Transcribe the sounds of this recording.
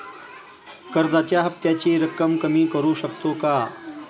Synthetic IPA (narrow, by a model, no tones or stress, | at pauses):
kəɾd̪at͡ɕjaɦɐft̪jat͡ɕiːɾəkːəmkəmiːkəɾuːɕəkt̪oka